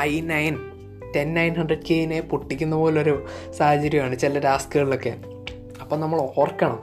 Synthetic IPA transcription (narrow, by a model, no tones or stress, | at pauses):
ɐjnɐjn | tenːɐjnhɐɳɖrɐɖkejnepuʈːikʲːunːɐpo̞ːlilo̞ɾusaːhɐt͡ɕːɐɾjɐmaːɳɨt͡ɕilɐɾaːskɨɣɐɭilo̞kːe | ɐpːoːnɐmːɐɭoːrkːɐɳɐm